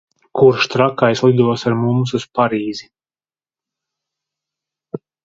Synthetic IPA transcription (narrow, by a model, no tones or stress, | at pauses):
kuɾʃt̪ɾakajslˠid̪uɔsaɾmums̬uspaɾiːzi